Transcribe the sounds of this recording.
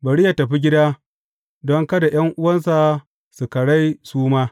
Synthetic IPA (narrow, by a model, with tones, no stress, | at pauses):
bɐ˨ɽi˦ja˨tɐ˨ɸi˦ɡʲɪ˦daː˦ | dɔ˦ŋka˦da˨j̰ɐ˦ŋʔʊ˦wɐ˦nsa˨ | su˨kɐ˨ɽa˦jsuː˦maː˦